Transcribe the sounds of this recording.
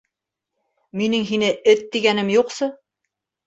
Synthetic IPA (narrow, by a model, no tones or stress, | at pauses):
minɘŋɦinɘɘt̪ːiɡænɘmjuqsɤ